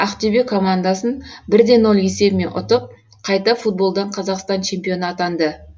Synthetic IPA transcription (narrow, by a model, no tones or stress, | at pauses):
æqt̪ebekʰo̞mand̪asənbɪɾd̪e̞nːolˠje̞se̞bme̞nʔʊ̰t̪əp̚ | qʰɑjt̪ɑfut̪̚bo̞lˠd̪ɑɴqʰɑzɑqst̪ɑnt͡ʃʰe̞mpijo̞nɑt̪ɑnd̪ə